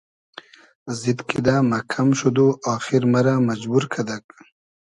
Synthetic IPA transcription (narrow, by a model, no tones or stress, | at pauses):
zit̪kʰid̪aːmɐkʰɐmʃud̪uʔaːxiɾmɐɾamɐd͡ʑbuɾkʰɐd̪ɐk